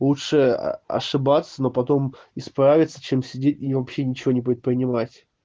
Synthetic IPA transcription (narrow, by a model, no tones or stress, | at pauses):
lˠutʂɨ̰ɐ̰ʂɨbat̪sːəno̞pɐt̪o̞m | ɪspɾavʲɪt̪sət͡ɕe̞msʲɪdʲetʲivɐpɕːenʲɪt͡ɕɪvʲo̞nʲɪp̬ɾʲɪt̪̚pɾʲɪnʲɪmatʲ